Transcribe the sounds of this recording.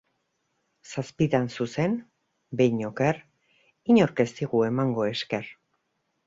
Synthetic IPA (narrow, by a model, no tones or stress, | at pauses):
saspit̪ansuse̞n | bejɲokeɾ | iɲo̞ɾke̞st̪iɣue̞maŋɡo̞e̞ske̞r